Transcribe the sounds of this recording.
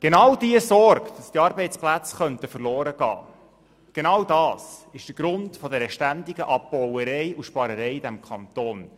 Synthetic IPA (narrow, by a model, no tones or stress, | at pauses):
ɡ̥enɑwd̥iəsɔɾkd̥ɑst̪iɑːɾbɛɪt͡splæt͡sχœntəfəɾlɔːɾəɡ̥ɑ̰ː | ɡ̥enɑwdɑːsɪʃd̥əɾɡ̥ɾʊntfɔdɛɾəʃtændɪɡəʔɑbbɔwəɾɛɪuʃpɑɾəɾɛjdæmkʰɑnt̪oːn